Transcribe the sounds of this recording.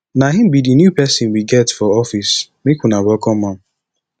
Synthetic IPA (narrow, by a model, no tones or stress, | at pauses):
naɦĩm̩bidinjupɛsɪ̃nwiɡɛtfɔɔfis | mekunabɔkɔmãm̩